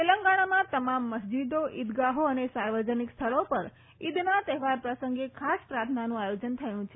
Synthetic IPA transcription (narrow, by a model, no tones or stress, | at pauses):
eləŋɡaɽ̃amãt̪əmamːəsd͡ʒid̪oʔid̪ɡaɦoənesaɾʋəd͡ʒənikst̪ʰəɭopəɾ | id̪nat̪eɦʋaɾpɾəsəŋɡekʰaspɾat̪ʰnanũajod͡ʒənt̪ʰəjũt͡ʃʰe